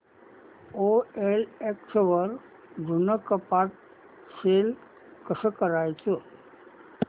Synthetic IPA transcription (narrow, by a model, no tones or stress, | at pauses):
oeleksʋəɾ | dʱunəkəpat̪̚ | sel | kəsəkəɾajt͡sə